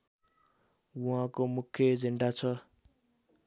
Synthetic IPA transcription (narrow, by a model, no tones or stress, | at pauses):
wuɦãkomukʰjʌed͡zeɳɖat͡sʰʌ